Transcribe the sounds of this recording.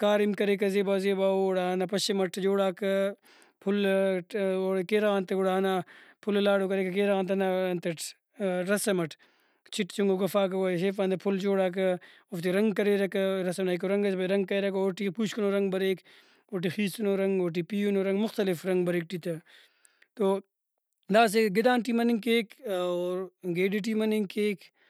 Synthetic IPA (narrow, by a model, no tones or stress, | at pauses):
kaːɾimkɐɾek̬ɐzeːbaːzeːbaːoɽaːnapɐʃemɐʈd͡ʒoːɽaːkɐ | pʰul | oɽkeːɾaːnt̪ɐɡoɽaɐnapʰullaːɽokɐɾeːkɐkeːɾaːnt̪̬ɐnɐnt̪ɐʈ | ɾɐsɐmɐʈʰ | t͡ʃʰiʈt͡ʃuŋɡoɡɐfaːkɐwoːeʃeːfaːnd̪ɐpʰult͡ʃoːɽaːk̬ɐ | oft̪iɾɐŋɡkɐɾeɾɐkɐɾɐsɐmnaikoɾɐŋɡɐsbɐɾɐŋɡ̚kɐeɾɐkooʈipuːt͡ʃʰkɐnoːɾɐŋɡbɐɾeːk | oʈ̬ixiːst̪ɐnoːɾɐŋɡoːʈ̬ipiːunoɾɐŋɡmʊxt̪ɐlɪfɾɐŋɡbɐɾeːk̚ʈit̪ɐ | t̪oː | d̪aːs̬eɡɪd̪aːnʈimɐniŋkeːkoːɾɡeːɖiʈ̬imɐniŋkeːk